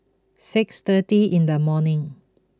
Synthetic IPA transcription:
sɪkst̪ətiʔĩndəmɔnɪ̃ŋ

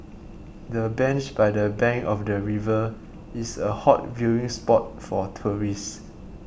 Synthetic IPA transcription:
dəbɛ̃nt͡ʃbajdəbɛ̃ŋkɔfdəɹivə | isəhɔt̚vjuĩŋspɔt̚fɔtʰuɹis

